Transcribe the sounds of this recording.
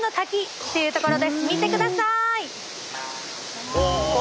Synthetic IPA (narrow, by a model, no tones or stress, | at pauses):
no̞t̪akʲi | t̪ːe̞jɯ̟ːt̪o̞ko̞ɾo̞d̪e̞sɨmʲit̪e̞kɯ̟d̪asai